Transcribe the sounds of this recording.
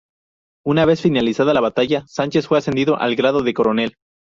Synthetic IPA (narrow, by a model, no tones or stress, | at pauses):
unaβe̞sfinalisaðalaβat̪aʝasant͡ʃe̞sfwe̞ase̞nd̪iðo̞ʔa̰lɡɾað̞o̞ðe̞ko̞ɾo̞ne̞l